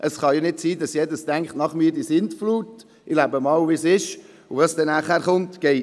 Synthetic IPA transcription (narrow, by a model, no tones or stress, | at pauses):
ʔəsχɑjɑnɪtsiːdɑsjɛdəstæŋkχtnɑχmiːɾdisɪntfluːt | ʔɪlæbəmɑːwvisɪʃ | ʊvɑsd̥ɛnæːχhæːɾχʊntɡ̥ɛɪ